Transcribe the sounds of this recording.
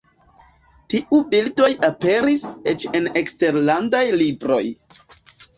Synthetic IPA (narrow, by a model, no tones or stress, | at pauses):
tiʔubildo̞jape̞ɾiset͡ʃe̞ne̞kste̞ɾlandajlibɾo̞j